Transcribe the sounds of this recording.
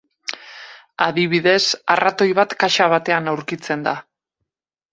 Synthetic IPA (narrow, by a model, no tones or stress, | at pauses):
aðiβ̞iðe̞sarat̪o̞jβ̞at̪kaʃaβ̞at̪e̞anawɾkit͡se̞nd̪a